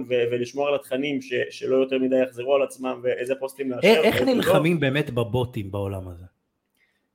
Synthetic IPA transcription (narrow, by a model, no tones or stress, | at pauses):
nveveliʃmoaalat̪χanimʃeʃelo̞jo̞teʁmid̪ajaχziʁualat͡smamveʔezepo̞stimleaeχnilχamimbeːmet̪babo̞timbao̞lamaze